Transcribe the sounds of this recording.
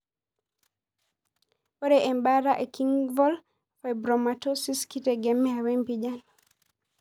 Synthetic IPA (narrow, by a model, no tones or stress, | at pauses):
ɔɾɛʔɛmbaɾaʔekiŋvɔl | fabɾɔmatosiskitɛɡɛmɛawɛmpid͡ʒan